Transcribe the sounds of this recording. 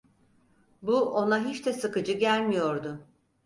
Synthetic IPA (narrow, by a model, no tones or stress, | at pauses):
buʔo̞naɦit͡ʃt̪ʰɛsɯkɯd͡ʒɯɟælʲmijo̞ɾd̪ʊ